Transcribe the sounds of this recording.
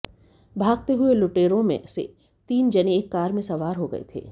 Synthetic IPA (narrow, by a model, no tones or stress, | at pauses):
bʱaːɡ̚t̪eɦʊelʊʈeːɾõmḛ̃sḛ | t̪iːnd͡ʒɐneeːkːaːɾmẽsɐʋaːɾɦoɡɐ̰ḛt̪ʰḛː